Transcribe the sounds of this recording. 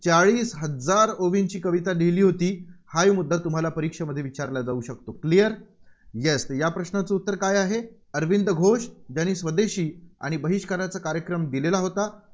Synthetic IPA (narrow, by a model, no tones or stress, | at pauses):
t͡saɭiːsɦəd͡zaɾoʋint͡ɕiːkəʋit̪ad̪ʱiliːɦot̪iːhajmud̪ʱːat̪um̤alapəɾikʂəməd̪ʱjeʋit͡ɕaɾlad͡zauɕək̚t̪oklijəɾjest̪japɾəɕnat͡səut̪ːəɾkajaɦe | əɾʋind̪əɡʱoɕd͡ʑaɽ̃iːsʋəd̪eɕiːa̰ɽ̃ibəɦiɕkəɾat͡sakaɾjəkɾəmd̪ilelaɦot̪a